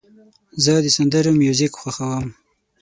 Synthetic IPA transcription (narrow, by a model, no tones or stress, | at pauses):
zəd̪əsand̪əɾomjuzɪkxʷwaxawəm